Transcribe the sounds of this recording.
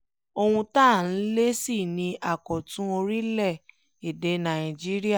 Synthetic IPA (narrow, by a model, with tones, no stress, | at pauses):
o˧wũ˧ta˦˨n̩˦le˦si˦˨nĩ˧ʔa˦˨kɔ˨tũ˦o˧ɾi˦lɛ˦˨ | e˨de˨˦nã˨ĩ˨d͡ʒi˦ɾi˦a˦˨